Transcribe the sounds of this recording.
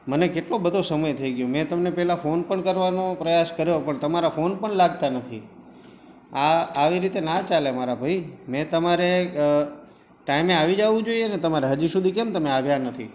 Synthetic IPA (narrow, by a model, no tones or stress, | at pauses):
mənekeʈlobəd̪ʱosəməjt̪ʰəiɡjõmɛ̃t̪əmnepɛɦlafonpəɳkəɾʋanopɾəjaskəɾjopəɳt̪əmaɾafonpəɳlaɡ̚t̪anət̪ʰḭ | aːʋiɾit̪enat͡ʃalemaɾabʱaimɛ̃t̪əmaɾe | ʈaimeaʋid͡ʒaʋũd͡ʒoieənet̪əmaɾeɦəd͡ʒisud̪ʱikɛmt̪əmeaʋjanət̪ʰḭ